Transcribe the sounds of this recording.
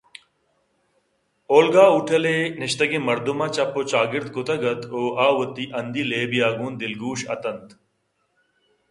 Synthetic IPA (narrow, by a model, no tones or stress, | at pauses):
oːlɡaːuʈʰɐleːnɪʃt̪ɐɡemɐɾd̪umaːt͡ɕɐpot͡ɕaːɡɪɾd̪̚kʊt̪ʰɐɡɐt̪oːʔaːwɐt̪ːiʔɐnd̪iːleːbijaːɡuːnd̪ɪlɡuːɕɐ̰t̪ɐnt̪